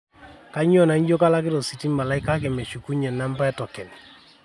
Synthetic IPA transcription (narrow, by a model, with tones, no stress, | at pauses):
ka˦ɲ˦ɔ˦˨na˨i˦ɲd͡ʒo˦ka˦la˦k̬ɪ˦ɾo˨si˨ti˦ma˨la˨˦i˦ka˦k̬e˨me˨ʃu˨ku˦ɲɛ˨na˦mba˦ɛ˦tɔ˨kɛ˨ni˨